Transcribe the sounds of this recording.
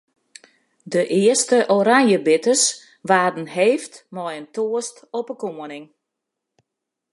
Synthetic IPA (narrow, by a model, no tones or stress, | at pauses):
dəʔɪəstəʔoɾaŋjəbɪtəs | ʋaːrdn̩heːftmɔjəntoəstɔpəkoːənɪŋ